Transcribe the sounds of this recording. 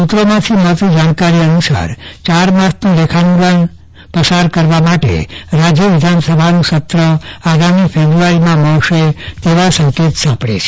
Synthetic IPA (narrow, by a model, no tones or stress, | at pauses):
sut̪ɾomãt̪ʰimət̪d͡ʒaɳkaɾiənusa̰ɾt͡ʃaɾmãsnũlekʰanũɡəɳ | pəsaɾkəɾʋamaʈḛɾad͡ʒjəʋɪd̪ʱansəbʱanũsət̪ɾəaɡamifʰebɾuaɾimãməɾʃet̪eʋasə̃ŋket̪sãpɽḛt͡ʃʰe̥